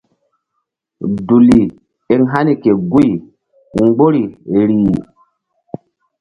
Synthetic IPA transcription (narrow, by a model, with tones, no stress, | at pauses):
du˨li˨ | e˦ŋɦa˦ni˦˨ke˨ɡu˦j | ŋ͡mɡ͡bo˦ɾi˨ɾiː˨